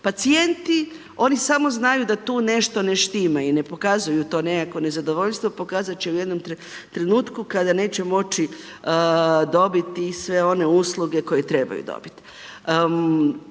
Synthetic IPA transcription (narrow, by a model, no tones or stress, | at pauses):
pat̪sie̞nt̪i | o̞nisamo̞znajud̪at̪uːne̞ʃt̪o̞neʃt̪imaine̞po̞kazujut̪o̞ːnekakʋo̞ne̞zad̪oʋo̞ʎst̪ʋopo̞kaːzat͡ʃeujed̪no̞mt̪ɾ | t̪ɾe̞nuːt̪kukad̪ane̞ːt͡ɕemo̞t͡ʃi | d̪o̞bit̪isʋe̞o̞ne̞uslˠuɡe̞ko̞jet̪ɾe̞ba̰jṵd̪o̰bit̪i̥